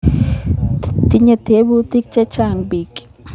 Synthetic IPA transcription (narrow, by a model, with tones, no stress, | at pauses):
t̪i˧ɲa˧t̪ʰe˨˦bu˧t̪i˦k̚t͡ʃe˦t͡ʃa˧ŋbi˨kʼ